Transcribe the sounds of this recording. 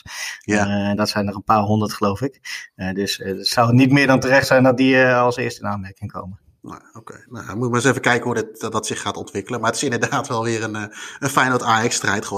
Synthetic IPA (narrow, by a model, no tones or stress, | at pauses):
dɑtsɛjnɔχənpaːɹɦɔndətχəlowfɪkdɵssʌwətnitmɪːɹdɑntərɛχtsɛjndɑt̚diɑlˠsɪ̰ːɹstɪnaːnmɛɹkɪŋko̰wmə | nɛ̰okḛjnamutɪkmaːɪsevəkɛjkəɦudɪtdɑtsɪχːaːtɔntʋɪkələnmaɹətɪ̥sɪndəɹdaːtʋɛlˠʋɪːɾənənfɛjnotaːjɛkstrɛjtχəɔ